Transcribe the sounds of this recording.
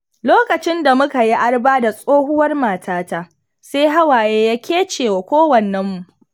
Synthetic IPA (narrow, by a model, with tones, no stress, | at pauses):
loː˦kɐ˨t͡ʃɪ˦nda˨mʊ˦ka˨ji˦ʔa˦rbaː˦da˨sʼoː˦ɦʊ˦wɐ˦rmaː˨tʰaː˦ta˦ | seː˦ɦa˦waː˨jeː˦ja˦kʲeː˦t͡ʃeː˨wa˨kʷoː˦wɐ˨nːɛ˦mːu˨ʔ